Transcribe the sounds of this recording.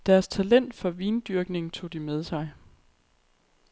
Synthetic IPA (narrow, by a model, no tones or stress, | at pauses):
d̥æɐst͡sʰælen̰d̥fɒ̽ʋiːnd̥yɐɡ̥ne̝ŋ̩t͡sʰo̝̰ːd̥imeð̞ˠsɑ̈ɪ